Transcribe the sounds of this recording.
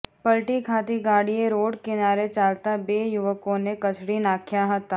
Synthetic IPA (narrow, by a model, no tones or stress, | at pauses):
pɐlʈikʰaːt̪iɡaːɽijeɾoːɽkɪnaːɾet͡ʃaːlt̪abeːjʊʋəkõnekɐt͡ʃʰɽinaːkʰjaɦɐt̪aː